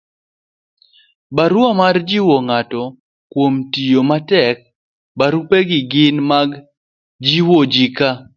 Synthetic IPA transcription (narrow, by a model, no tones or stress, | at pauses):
baɾuamard͡ʒiwoŋatɔ | kwomtijomatɛk̚ | baɾupeɡɪɡɪnmaɡ | d͡ʒiwod͡ʒika